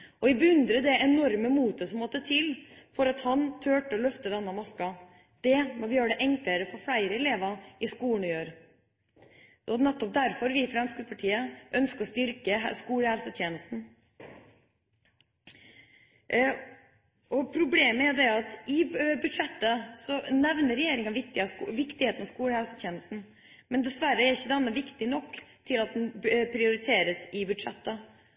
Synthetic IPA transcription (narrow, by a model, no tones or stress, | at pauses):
ɔʋɪbəʉnd̪ɾəd̪ɛʔɛnɔɾməmuːt̪əsɔmːɔt̪ːət̪ʰɪlfɔɾɑt̪hɑnt̪ʰøːʈəɔlœft̪əd̪ɛnːəmɑskɑ | d̪̥ɛmɔʋɪjøːɾɖɛʔɛŋkləɾəfɔɾfɽæɪɾəɛleːʋɑɪskuːɳjøːɾ | ɔnɛt̪ːɔp̚d̪æɾfɔɾʋɪfɾɑɑnskəpʰɑʈʰiːəʔœnskəɾɔst̪ʏɾkəskuːlæːɾsət̪ʰjeːnəst̪n̩ | ʔɔpʰɾʊbleːməæɾd̪ɛɑt̪ɪbʉd̪ʂɛt̪ːəsɔnɛʋnəɾɛjeːɾɪŋɑnʋɪk̚t̪ɪʋɪkt̪ɪheːt̪nɑskuːɽhælsət̪ʰjeːnəst̪n̩ | mɛnd̪ɛsʋæɾːəæɾɪçːəd̪ɛnːəʋɪkt̪ɪnɔkːt̪ʰɪlɑt̪̚d̪ɛnpʰɾɪʊɾɪt̪ʰeːɾəsɪbʉd̪ʂɛ̰t̪ːə